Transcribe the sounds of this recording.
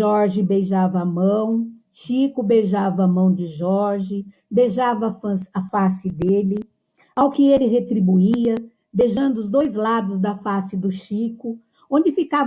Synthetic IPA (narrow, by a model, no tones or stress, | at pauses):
ʒɔɾʒɪbejʒavɐːmɐ̃w̃ | ʃikʊbejʒavɐːmɐ̃w̃d͡ʒɪʒɔɾʒɪ | d̪ejʒavɐfɐ̃sɐfasɪd̪elɪ | awkɪelɪɦet̪ɾibuiɐ | d̪ejʒɐ̃nd̪ʊʊzd̪ojzlad̪ʊzd̪ɐfasɪd̪ʊʃikʊ | õnd͡ʒɪfikav